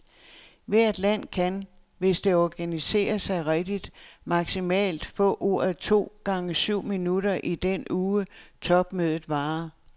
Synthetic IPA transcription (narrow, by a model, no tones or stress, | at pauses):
ʋæɐ̰d̥læn̰kʰæn | ʋe̝sd̥e̝ɒɡ̥ænise̝̰ːɐsɑ̈ɪʁɛd̥id̥mɑ̈ɡ̥simɛ̰ːld̥fɔ̰̽ːʔo̝̰ːɐð̩ˠt͡sʰo̝̰ːɡ̥ɑ̈ŋəsyʊ̰minuɾɐʔid̥enuːət͡sʰɒ̽b̥møðˠð̩ˠʋɑ̈ː